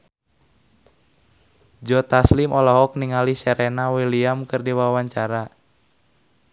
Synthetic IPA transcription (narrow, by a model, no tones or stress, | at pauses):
d͡ʒɔt̪aslimʔɔlɔɦɔk̚niŋalisɛɾɛnawiliamkɨrdiwawaɲt͡ʃaɾa